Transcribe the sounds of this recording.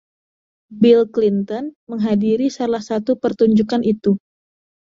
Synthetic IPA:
bilklint̪ɔnməŋɦadiɾisalahsat̪upərt̪uɲd͡ʒukanʔit̪u

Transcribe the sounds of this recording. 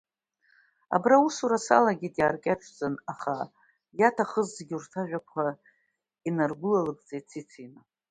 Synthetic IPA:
a̰brausuɾasa̰laɡʲidjaːrkʲʼaʈ͡ʂʷʼʰt͡sʼɨnaχa | jatʰaχəzzɡʲurtʰaʒᶣakʷʰa | inarɡʷʊlalɨkʼt͡sʼejt͡sʰit͡sʰina

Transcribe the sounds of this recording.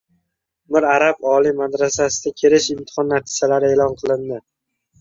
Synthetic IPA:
mɪɾaɾabɒlˠimad̪ɾasasɪd̪akʲʰeɾɪʃɪmt̪ʰɪ̥χɒnːaɾt̪ʰi̥d͡ʒalaɾɪelɒnqʰɨlˠɪnd̪ɪ

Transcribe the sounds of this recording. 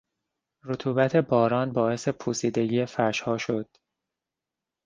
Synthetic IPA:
ɾot̪ʰuːbæt̪ʰe̞bɒːɾɒːnbɒːe̞se̞pʰuːsiːd̪e̞ɟiːefæʃhɒːʃo̞d̪̥

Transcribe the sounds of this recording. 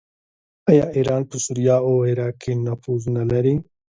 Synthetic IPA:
ajaːʔiːɾaːnpəsuɾijaːoːiɾaːkiːnɐfuːznɐlɐɾi

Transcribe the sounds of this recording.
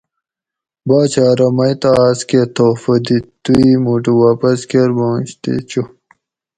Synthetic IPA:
baːt͡ɕaːɾɐmɐjt̪aːsket̪ʰoːfɐd̪it̪uimuʈ̬uwaːpɐskeɾbõːɕt̪ḛt͡ɕu

